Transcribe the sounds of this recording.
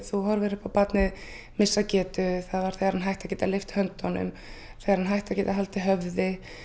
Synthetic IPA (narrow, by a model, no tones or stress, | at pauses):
θuɦaɾvɛːɾɪ̥pawpat̪nɪð | mɪsːacɛːt̪ʏθaðvaɾ̥θɛjɣaɾhanɦajht̪acɛːt̪alɪft̪hœnt̪ɔnʏ̰m | θɛjɣaɾhanɦajht̪acɛːt̪aɦalt̪ɪɦœvðɪ